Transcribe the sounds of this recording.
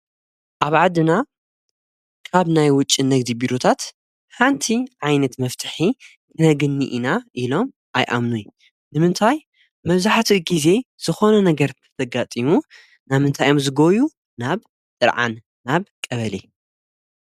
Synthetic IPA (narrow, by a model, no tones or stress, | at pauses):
ʔaβʕad̪ɨna | kʰaβnajwʊt͡ʃʼːinɐɡd̪ibiɾot̪ʰat̪ | ħant̪ʰiʕajnɐt̪mɐft̪ʰɨ̥ħi | t̪ʰɨnɐɡɨnːḭʔinaʔilo̞m | ʔajʔa̰mnuj | nɨmɨnt̪ʰaj | mɐβzaħt̪ʰiɡize̞z̥ɨxo̞nɐnɐɡɐɾt̪ʰɐ̥t̪ʰɐɡat̪ʼimu | namɨnt̪ʰajomzɨɡoju | naβ | t̪ʼɨɾʕa̰nː | aβkʼɐβɐli